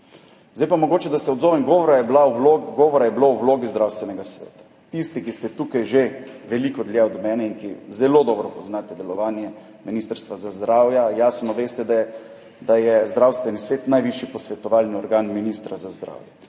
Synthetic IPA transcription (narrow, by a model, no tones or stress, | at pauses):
zd̪ajpamɔɡoːt͡ʃɛd̪asɛɔd̪zɔːʋɛmɡɔʋɔɾajɛblauloɡɔːʋɔɾajɛblouwloːɡizd̪ɾawst̪ʋɛnɛɡasʋɛ̰ːt̪ḁ | t̪ist̪ikist̪ɛt̪uːkajʒeʋɛlikɔd̪ljajɔd̪ɔmɛːnɛinkizɛloːd̪ɔːbɾɔpoznat̪ɛd̪ɛlɔʋaːnjɛ | miniːst̪əɾst̪ʋazazd̪ɾaːwjajaːsnɔʋeːst̪ɛd̪a | d̪ajɛzd̪ɾawst̪ʋɛnisʋeːt̪najʋiʃjipɔsʋɛt̪ɔʋaːlniɔɾɡaːnminist̪ɾazazd̪ɾa̰ːwjɛ